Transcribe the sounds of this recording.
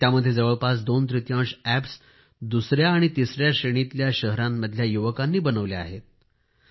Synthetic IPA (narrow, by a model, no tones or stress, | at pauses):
t̪jaməd̪ʱːjed͡zəʋəɭpasd̪ont̪ɾit̪jãɕæps | d̪usɾjaːɽ̃it̪isɾjaɕeɽ̃it̪ljaɕəɦɾamːəd̪ʱljajuʋəkanːiːbənəʋlea̰ɦet̪̚